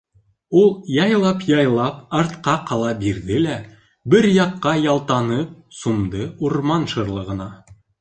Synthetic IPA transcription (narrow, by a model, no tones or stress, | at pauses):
ulˠjɑjlˠɑpjɑjlˠɑpɑɾt̪qɑqʰɑlˠɑbiɾðɘlæ | bɘɾjɑqːɑjɑlˠt̪ɑnɤp̚sumd̪ɤuɾmɑnʃɤ̆ɾlˠɤ̆ʁɤ̆nɑ